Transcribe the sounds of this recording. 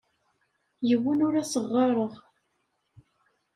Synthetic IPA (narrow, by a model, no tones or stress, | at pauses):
jəwːənʊɾæsəʁːɑɾˤəʁ